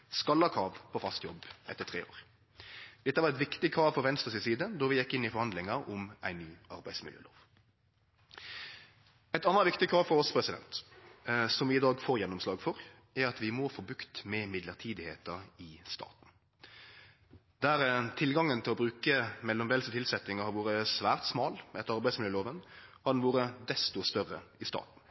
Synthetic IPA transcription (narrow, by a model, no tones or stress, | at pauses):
skɑlːɑkʰɑːʋpʰɔfɑst̪jɔbɛ̰t̪ːət̪ʰʁḛːo̰ːɾ | d̪̥ɛt̪ːəʋɑɾɛt̪ʋɪkt̪ɪkʰɾɑːʋfɔɾʋɛnst̪ʁəsɪsiːd̪əd̪ɔɾʋɪjɛkːɪnːɪfɔɾhɑnd̪lɪŋɑʊmæɪnːyːʔɑɾbæɪsmɪljø̰ːlo̰ːʋ | ɛɪt̪ɑnəʋɪkt̪ɪkʰɾɑːʋfɔɾɔspʰɾɛsɪd̪ɛ̰nt̪ | sɔmʋɪɪd̪ɑːɡfoːɾjɛnːʊmslɑːɡfɔɾ | æɾɑt̪ʋɪmoːfɔːbʉkt̪mɛmɪd̪ləʁt̪ʰiːd̪ɪheːt̪əɾɪst̪ɑ̰ːt̪n̩ | d̪æɾt̪ʰɪlɡɑŋːənt̪ʰɪlɔbɾʉːkəmɛlːɔmʋɛlsət̪ʰɪlsɛt̪nɪŋəhɑɾʋuːɾəsʋæːʁt̪smɑːlɛt̪ɑɾbæɪd̪smɪljøːloːʋənhɑd̪ɛnʋuːɾəd̪ɛst̪ʊst̪œʁəɪst̪ɑ̰ːt̪n̩